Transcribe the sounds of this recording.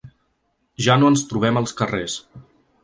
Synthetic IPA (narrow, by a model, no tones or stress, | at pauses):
ʒanoənst̪ɾuβ̞ɛməlˠskəres